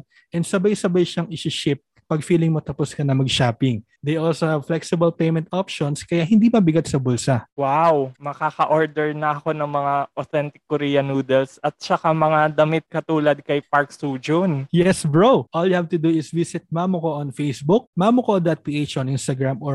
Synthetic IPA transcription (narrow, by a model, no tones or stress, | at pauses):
ʔɛnsɐbajsɐbajʃɐŋɪʃɪʃɪp̚ːɐɡfiːlɪŋmot̪ɐposkɐnɐmɐɡ̚ʃaːpɪŋ | d̪ejʔolsohɐvflɛksɪbɐlpejmɛnt̪ʔopʃonskɐjaɦɪnd̪imɐbɪɡat̪̚sɐbʊlsɐwawmɐkaːkɐʔoɹd̪ɛɹnɐɐko̞nɐŋmɐŋaʔoθɛnt̪ɪkːɔɾiːjɐnuːd̪ɛlsɐt̪̚t͡ʃɐkamɐŋad̪ɐmɪt̪̚kɐt̪uːlɐd̪̚kɐjpaɹksuːd͡ʒonjɛsbɹowʔoljʊhavt̪ʊd̪uɪsvisɪt̪̚mamʊkoʔɐnfejsbuk̚mamʊkod̪ɐt̪̚piʔet͡ʃʔonʔinst̪ɐɡɹamo